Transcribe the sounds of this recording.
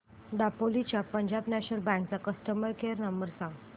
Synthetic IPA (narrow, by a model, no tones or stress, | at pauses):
d̪apolit͡ɕjapəɲd͡ʑabnæɕnəlbɛ̃ŋkt͡sakəst̪əməɾkeəɾnəmbəɾsãŋɡ